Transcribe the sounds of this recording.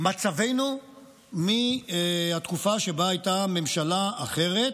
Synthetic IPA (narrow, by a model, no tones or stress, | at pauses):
mat͡save̞jnu | mi | hat̪kufaʃe̞baajtame̞mʃalaaχe̞ʁe̞t̪